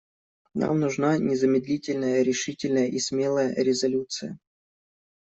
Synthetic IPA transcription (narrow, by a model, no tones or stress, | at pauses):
nʔa̰mnʊʐnanʲɪzəmʲɪd̪lʲitʲɪlʲnəjəɾʲɪʂɨtʲɪlʲnəjəʔisʲmʲelˠəjə̰ɾʲɪzɐlʲut̪sɨjə̰